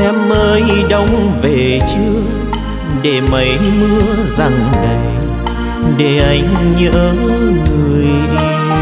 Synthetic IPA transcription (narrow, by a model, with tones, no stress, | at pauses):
ɛ˧˦məː˧jɗə˧wŋ͡mve˨˩t͡ɕɨ˧˦ | ɗe˧˩mə˨˦jmɨ˧əza˧˩ŋɗə˨˩j | ɗe˧˩ʔa˨˦jŋ̟ɲə̰ː˧˥ŋɨ˨˩əj